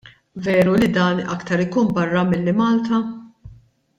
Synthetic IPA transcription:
vɛːɾulid̪ɐːnɐ̰kt̪ɐɾɪkuːnbɐrːɐmɪlːɪmɐːlt̪ɐ

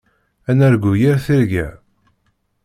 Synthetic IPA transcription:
ænæɾɡujiɾθiɾɡæ̰

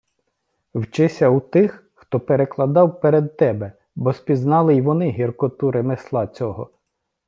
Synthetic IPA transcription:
wt͡ʃɪsʲɐut̪ɪx | xt̪ɔpeɾeklˠɐd̪ɑwpeɾed̪t̪ɛbɛ | bɔspʲiznɑlˠɪjʋɔnɪɦirkɔt̪uɾemeslˠɑt͡sʲɔɦɔ

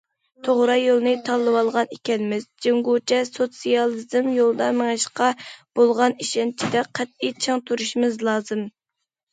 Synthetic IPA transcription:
t̪ʰoʁɾɑjolˠnɨt̪ʰɑlˠːɨwɑlˠʁɑnekʲɛnɪmɪzd͡ʒeŋɡot͡ʃʰɛsot̪sijɑlˠɨzɪmjolˠd̪ɑmeŋɨʃqɑb̥olˠʁɑniʃɛnt͡ʃʰid̪ɛqʰæt̪̚it͡ʃʰeŋt̪ʰuɾuʃimɪzlˠɑːzɨm

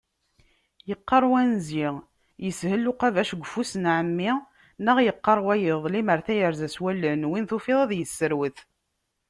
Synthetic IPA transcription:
jəqːɑɾˤwænziʁ | jəshəlːuqævæʃɡʷəfusənʕəmːi | nəʁjəqːɑɾˤwæjɪðˤliməɾθæjəɾzæswælːənwinθufiðˤɑðjəsːəɾwəθ

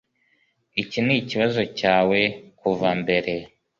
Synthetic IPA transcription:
iciniciβazo̞caːwe̞kuvambe̞ɾe̞

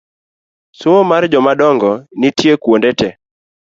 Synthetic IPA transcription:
soŋomard͡ʒɔmadɔŋɡɔnitjekwondɛtɛ

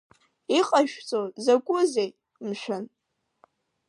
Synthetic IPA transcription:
iqʼaʒᶣt͡sʼozakʷʼʊzej | mʃʷᶣʊn

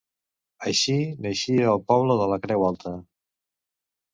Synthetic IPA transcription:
əʃinəʃiəːlˠpɔβləðələkɾɛwalˠt̪ə

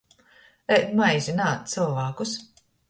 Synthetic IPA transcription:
ɛt̪majzʲinaːt̪t̪sɨlvaːkus

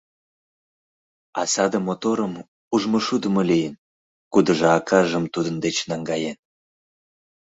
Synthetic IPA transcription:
ɑsɑd̪əmot̪oɾəm | uʒmoʃud̪əmolijən | kud̪əʒɤɑkʰɑʒəmt̪ud̪ənd̪et͡ɕnɑŋɡɑjen

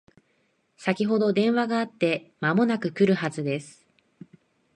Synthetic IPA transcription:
sakʲiɦo̞d̪o̞d̪ẽ̞ɰ̃βaɡaːt̪ːe̞mamo̞nakɯ̟kɯ̟ɾɯ̟hazɨd̪e̞sɨ̥

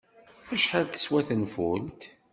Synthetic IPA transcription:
æʃħalθə̥swæθənfult̪

